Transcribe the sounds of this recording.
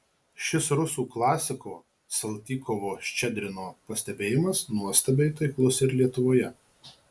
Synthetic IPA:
ʃʲɪsɾʊsuːklˠɑːsʲɪkoː | sɐlˠʲt̪ʲiːkɔʋoːʃʲt͡ʃʲɛd̪ʲɾʲɪnoːpɐsʲt̪ʲɛbʲeːjɪmɐsnuɔsʲt̪ʲɐbʲɛɪt̪ɐɪklˠʊsɪɾlʲiɛt̪ʊʋoːjɛ

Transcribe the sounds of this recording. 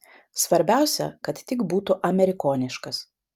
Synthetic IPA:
sʋɐɾʲbʲæˑʊsʲɛ̰kɐt̪t̪ʲɪkbuːt̪ʊʔɐmʲɛɾʲɪkoːnʲɪʃkɐs

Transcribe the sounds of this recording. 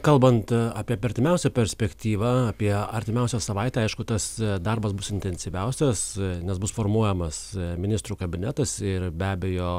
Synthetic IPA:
kɐlˠbɐnt̪ɑːpʲiɛpɐɾʲt̪ʲɪmʲɛʊsʲɛpʲɛɾʲsʲpʲɛkt̪ʲiːʋɑɐːpʲiɛɐɾʲt̪ʲɪmʲɛʊsʲɛsɐʋɐɪt̪ʲɛɐɪʃkʊt̪ɐsd̪ɐrbɐsbʊsɪnʲt̪ʲɛnʲsʲɪʋʲɛʊsʲɛsnʲɛsbʊsfoːrmuɔjɛmɐsmʲɪnʲɪst̪ɾuːkɐbʲɪnʲɛt̪ɐsɪrbʲæːbʲejoː

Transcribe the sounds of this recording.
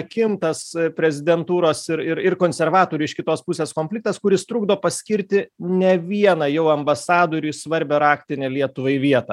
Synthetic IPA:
kʲɪmt̪ɐspʲɾʲɛzʲɪd̪ʲɛnt̪uːɾoːsɪɾɪɾɪrkoːnʲsʲɛɾʋɑːt̪oːɾʲuɪʃkʲɪt̪oːspʊsʲeːskoːmʲfʲlʲɪk̚t̪ɐskʊɾʲɪst̪ɾuːɡd̪oːpɐsʲkʲɪɾʲt̪ʲɪnʲɛʋʲiɛnɐːjɛʊɐmbɐsɑːd̪oːɾʲuːsʋɐɾʲbʲɛɾɑːkt̪ʲɪnʲeːlʲiɛt̪ʊʋɐɪʋʲiɛt̪ɐ

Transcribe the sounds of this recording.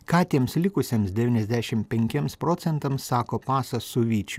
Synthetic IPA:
kɑːt̪ʲiɛmslʲɪkʊsʲemsd̪ʲɛʋʲiːnɛzʲd̪ʲæːʃʲɪmpʲɛŋʲkʲiɛmspɾoːt̪sʲɛnt̪ɐmsɑːkoːpɑːsɐsʊʋʲiːt͡ʃʲʊ

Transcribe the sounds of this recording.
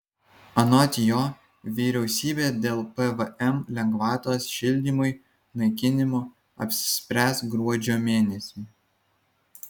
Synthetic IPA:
ɐnɔt̪ʲjoː | ʋʲiːɾʲɛʊsʲiːbʲeːd̪ʲeːlˠpɛʋʔɛmlʲɛŋɡʋɑːt̪oːsʃʲɪlʲd̪ʲiːˑmʊɪ | nɐɪkʲɪnʲɪmo | ɐ̰pʲsʲɪ̥sʲpʲɾʲæːsɡɾuɔd͡ʒʲoːmʲeːnʲɛsʲu

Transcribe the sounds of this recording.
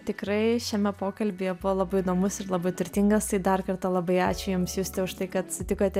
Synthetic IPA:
t̪ʲɪkɾɐɪʃʲɛmʲɛpoːkɐlʲbʲeːjɛbʊʋoːlˠɐbɐɪɪd̪oːmʊsɪɾlˠɐbɐɪt̪ʊɾʲt̪ʲɪŋɡɐst̪ɐɪd̪ɐrkɐrt̪ɐlˠɐbɐɪɑːt͡ʃʲʊjʊmsjuːsʲt̪ʲɛʊʃt̪ɐɪkɐt̪ɐsʲɪt̪ʲɪkoːt̪ʲɛ

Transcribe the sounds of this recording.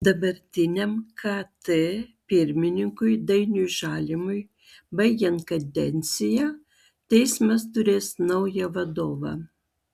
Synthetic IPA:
d̪ɐbɐɾʲt̪ʲɪnʲɛmkʰɐt̪ɨpʲɪɾʲmʲɪnʲɪŋkʊjd̪ɐɪnʲujʒɑːlʲɪmʊj | bɐɪjʲɛnkɐd̪ʲɛnʲt̪sʲɪjɛ | t̪ʲɛɪsmɐst̪ʊɾʲeːsnɐʊjɛʋɐd̪oːʋɐ̰

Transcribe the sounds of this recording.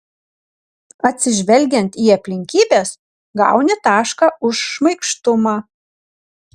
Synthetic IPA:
ɐt̪ʲsʲɪʒʲʋʲɛlʲɡʲɛnt̪iːɐpʲlʲɪŋʲkʲiːbʲeːs | ɡɑ̰ˑʊnʲɪt̪ɑːʃkɑʊʃːmɐɪkʃt̪ʊmɑː

